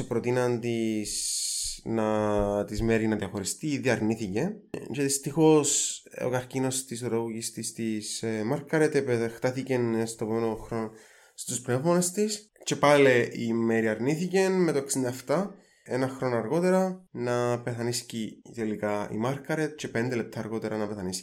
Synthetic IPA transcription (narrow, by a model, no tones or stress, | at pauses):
epɾo̞t̪inɐnt̪is | nɐt̪izme̞ɾinɐðiɐxo̞ɾist̪iðiɐɾniθice̞nceðist̪ixo̞so̰kɐɾcino̞st̪isoɾɐɣoɣist̪ist̪ismɐɾkɐɾet̪epext̪ɐθice̞nst̪opomenot̪oxɾon | st̪uspne̞vmonest̪is | t͡ʃe̞paleʔimeɾiɐɾniθice̞nme̞t̪oeksind̪ɐeft̪ɐ | enɐxɾo̞noɐɾɣo̞t̪e̞ɾɐnɐpe̞θɐniscit̪elikaḭmɐɾkɐɾet̪̚t͡ʃe̞pend̪ele̞p̚t̪ɐːɾɣo̞t̪e̞ɾɐnɐpeθɐnis